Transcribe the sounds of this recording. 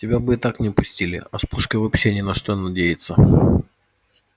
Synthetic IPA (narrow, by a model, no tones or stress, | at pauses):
tʲɪbʲabɨɪt̪aknʲɪpʊsʲtʲilʲɪ̰ɐspuʂkəvɐpɕːe̞nʲɪnɐʂt̪onɐdʲejɪt̪sə